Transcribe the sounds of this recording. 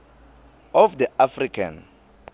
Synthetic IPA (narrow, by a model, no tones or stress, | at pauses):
ɔfd̪iafrikʰa̰n